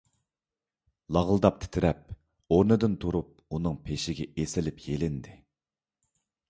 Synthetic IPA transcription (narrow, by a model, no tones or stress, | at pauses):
lˠɑʁəlˠɨd̪ɑp̚t̪ʰɪ̥t̪ʰɪɾɛp̚ | oɾnɨd̪ɨnt̪ʰuɾup̚unɨŋpʰeʃɪɡʲɛesɪlɪpjelɪnd̪ɪ